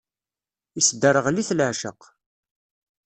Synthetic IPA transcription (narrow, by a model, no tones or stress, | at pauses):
isd̪əɾəʁliθlʕʃəq